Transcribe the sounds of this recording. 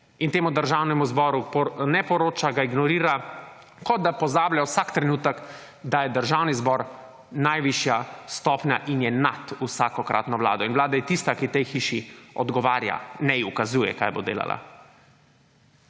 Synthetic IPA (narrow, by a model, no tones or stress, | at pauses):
int̪eːmud̪əɾʒawnɛmuzbɔːɾupnɛpɔɾoːt͡ʃaɡaiɡnɔɾiːɾa | kɔd̪̚d̪apɔzaːbljawsakt̪ɾɛnuːt̪ək | d̪ajɛd̪əɾʒaːwnizbɔɾ | najʋiʃjast̪ɔːpnʲaʔinjɛnat̪usaːkɔkɾʔa̰t̪nɔʋla̰ːd̪ɔinʋlaːd̪ajɛt̪ist̪akit̪ɛjxiːʃiɔd̪ɡɔʋaːɾja̰nɛukazuːjɛ̰ka̰jbo̰d̪ḛːla̰la̰